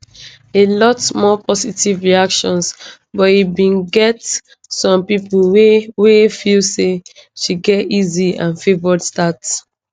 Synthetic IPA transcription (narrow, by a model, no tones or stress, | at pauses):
elɔtmɔpʰɔsitivɹiakʃɔ̃ns | bɔtibĩnɡɛt | sɔ̃mpipulwewefilseʃiɡɛtiziã̰nfevɔdstats